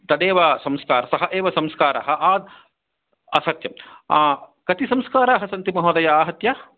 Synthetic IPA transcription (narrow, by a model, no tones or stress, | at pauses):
t̪ɐd̪eːʋɐsɐmskaːɾɐsɐɦɐʔeːʋɐsɐmskaːɾa̰ːɦɐ̆ʔaːd̪ | ɐsɐt̪jɐmakɐt̪isɐmskaːɾaːɦɐsɐnt̪imɐɦoːd̪ɐjɐaːɦɐt̪jɐ